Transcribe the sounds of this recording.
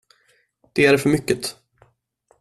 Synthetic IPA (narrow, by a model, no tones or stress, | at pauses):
d̪̥ɛæɖfœɾmʏkːət̪